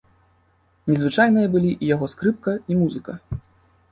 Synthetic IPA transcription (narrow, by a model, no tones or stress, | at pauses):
nʲɛzvɨt͡ʂajnɨjɐbɨlʲiʔijaɣɔskɾɨp̚kɐimuzɨkɐ